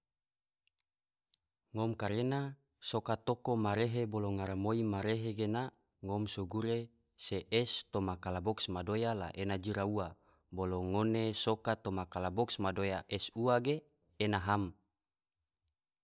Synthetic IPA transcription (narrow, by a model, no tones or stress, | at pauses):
ŋomkaɾena | sokat̪okomaɾeɦeboloŋaɾamoimaɾeɦeɡena | ŋomsuɡuɾe | seʔɛst̪omakalaboksmadojala̰ʔenad͡ʒiɾaua | boloŋonesokat̪omakalabɔksmadojaʔɛsuaɡeː | naɦam